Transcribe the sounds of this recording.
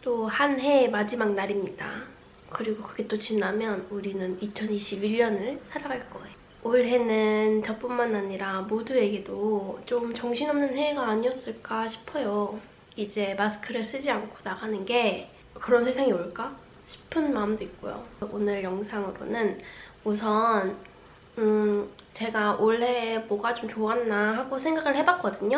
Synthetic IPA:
t͈ohanɦe̞mad͡ʑimak̚naɾimɲida̰ | kɯɾiɡokɯɡe̞t͈ot͡ɕinamjʌnuɾinɯnit͡ɕʰʌniɕʰibiʎːʌnɯɭsʰaɾaɡaɭk͈ʌejo | oɭɦe̞nɯnt͡ɕʌp͈unmanaɲiɾamodue̞ɡe̞dot͡ɕomt͡ɕʌŋɕʰinʌmnɯnhe̞ɡaːɲiʌs͈ɯɭk͈aɕʰi̥pʰʌjo | id͡ʑe̞masʰɯ̥kʰɯɾɯɭs͈ɯd͡ʑiankʰo̥naɡanɯnɡe̞ | kɯɾʌnsʰe̞sʰaŋioɭk͈a | ɕʰi̥pʰɯnmaɯmdoik̚k͈ojo̰onɯɭjʌŋsʰaŋɯɾo̰nɯn | usʰʌn | ɯt͡ɕe̞ɡaʔoɭɦe̞bʌɡat͡ɕomt͡ɕoaɦanːaɦaɡosʰe̞ŋɡaɡɯɭhe̞bak͈ʌdɯɲo

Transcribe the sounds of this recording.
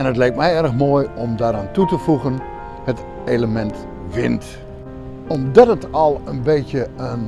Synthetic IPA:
ɛnətlɛjk̚tmɛjɛrxmoːjɔmdaɾantutəfuɣən | hət | eːləmɛnt | ʋɪ̰nt | ɔmdɔtətɔlˠənbeːtjəən

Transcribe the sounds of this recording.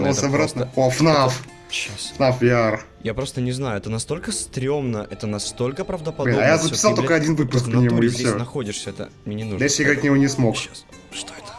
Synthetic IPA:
sɐbɾat̪nəofnaf | ɕasfnafjar | japɾo̞st̪ənʲɪznajʊɛt̪ənɐst̪o̞lʲkəst̪ɾʲo̞mnəʔɛt̪ənɐst̪o̞lʲkəpɾɐvd̪əpɐd̪ajazəɪ̥salˠt̪okəɐdʲinvɨppʊs̬k̚pənʲɪɪmuɪfʲsʲeonɐxo̞dʲɪʂsʲəɛt̪ə̰mʲenʲenuʐd̪ɐjesʲɪjaɡəvɾʲit̪̚ʲnʲɪvonʲɪsmo̞ka | ʂt̪oɛt̪ə̥

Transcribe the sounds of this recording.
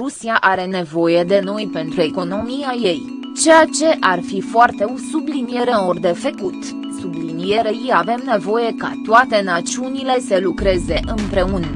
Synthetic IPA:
ɾusiaʔaɾe̞ne̞vo̞je̞d̪e̞no̞jpe̞nt̪ɾue̞ko̞no̞miaje̞j | t͡ʃe̞jat͡ʃe̞ʔarfifoart̪e̞osublinije̞ɾeord̪e̞fekut̪ | sublinije̞ɾejiave̞mne̞vo̞je̞ka̰t̪oat̪e̞nat̪siunile̞səlukɾe̞ze̞ʔɨmpɾe̞un

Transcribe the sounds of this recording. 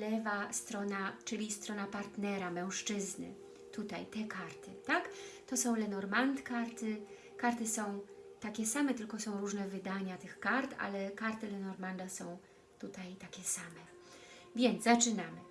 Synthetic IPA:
lɛvast̪ɾɔnat͡ʂɘlʲist̪ɾɔnapaɾt̪nɛɾamɛw̃ʂt͡ʂɘznɘ̰ | t̪ut̪ajt̪ɛkaɾt̪ʰɘt̪akt̪ɔsɔ̃w̃lɛnɔɾmant̪kaɾt̪ɘ | kaɾt̪ɘsɔ̃w̃t̪akʲɛsamɛt̪ɘlkɔsɔ̃w̃ɾuʐnɛvɘd̪aɲat̪ɘxkaɾt̪a̰lɛkaɾt̪ɘlɛnɔɾmand̪asɔ̃w̃ | t̪ut̪ajt̪akʲɛsamɛ | vʲjɛnd̪zzat͡ʂɘnamɘ

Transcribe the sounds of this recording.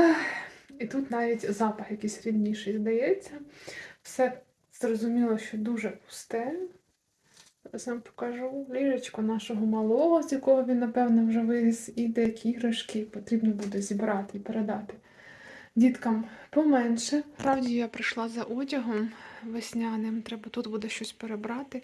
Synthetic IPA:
it̪ut̪nɑʋʲitʲzɑpɐxjɐkʲisʲɾʲid̪nʲiʃɛjzd̪ɐjɛt͡sʲːɐwsɛ | z̥rɔzʊmʲilˠɔʃt͡ʃɔd̪uʒɛpʊ̥st̪ɛɛ | snɑmpɔ̥kɐʒulʲiɾɐt͡ʃkɔnɑʃɔɦɔmɐlˠɔɦɔzʲjɐkɔɦɔʋʲinːɐpɛwnɔwʒɛʋɪɦɪsid̪ɛjɐkʲiɦɾɐʃkɪpɔt̪ɾʲibnɔbud̪ɛzʲibɾɑt̪ɪipeɾed̪ɑt̪ɪ̥ | dʲit̪kɐmpɔmɛnʃɛpɾɑwdʲijapɾɪʃlˠɑzɐʔɔtʲɐɦɔmʋesʲnʲɑnɪmt̪ɾɛbɐt̪ut̪bud̪ɛʃt͡ʃɔsʲpeɾebɾɑt̪ɪ

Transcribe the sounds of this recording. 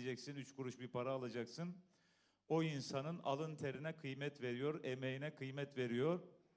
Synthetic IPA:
d͡ʒɛcsinyt͡ʃkʰuɾuʃbiɾpʰaɾaːlˠad͡ʒaksɯn | oinsanɯna̰lˠɯnt̪ʰeɾinɛkʰɯjmɛt̪ve̞ɾijo̞ɾemejinɛkʰɯjmɛt̪ve̞ɾijo̞ɾ̥

